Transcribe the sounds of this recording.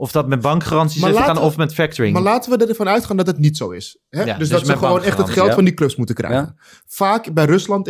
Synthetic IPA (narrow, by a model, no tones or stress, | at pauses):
ɔfdɔtmɛt̚bɑŋkχarɑntsismalaːnɔfmɛtfɛk̚təɹɪŋmaːlaːtənʋədərɛfɑnœɥtχaːndɔtətnitsowɪ̰s | ɦɛdɵsdɔsəχəʋownɛχtətχɛlˠfɑndikløpsmutəkrɛ̰jjχən | faːkbɛjrɵslɑnt